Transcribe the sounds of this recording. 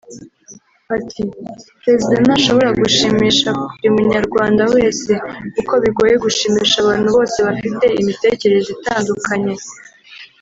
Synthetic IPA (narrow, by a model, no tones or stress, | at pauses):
atʰipɾe̞zidanaʃo̞βo̞ɾaɡuʃiːmiːʃakuɾumuɲaɾɡwaːndawe̞ːse̞uko̞βiɡo̞ːje̞ɡuʃiːmiːʃaːβaːn̥huβo̞ːse̞βafite̞imite̞ːce̞ɾe̞zitaːndukʰaɲe̞